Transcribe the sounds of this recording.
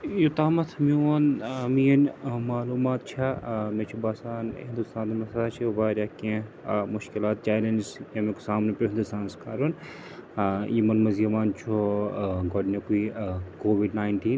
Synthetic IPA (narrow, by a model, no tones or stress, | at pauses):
jut̪aːmɐt̪ʰmionmiːɐnmaːluːmaːt̪̚t͡ʃʰamet͡ʃʰubaːsaːnĩnd̪ust̪aːnd̪umɐsaːt͡ʃʰiʋaːɾʲjaːkẽ | mʊʃkilaːt̪̚t͡ʃaːlend͡ʒsjamẽko̥saːmnepɾoɦɪnd̪ust̪aːnskaːɾun | jimɐnmɐzijɐmaːnt͡ʃʰoɡɔɖnekuikoːʋiɖnaːjɳʈiːn